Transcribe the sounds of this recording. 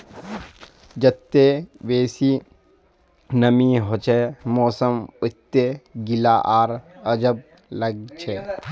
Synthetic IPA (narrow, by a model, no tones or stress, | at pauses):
d͡ʒət̪ːeʋeːsiː | nəmiɦot͡ʃʰemɔːsəmʊt̪ːeɡilaːʔaːɾəd͡ʒəb̚ | ləɡ̚t͡ʃʰe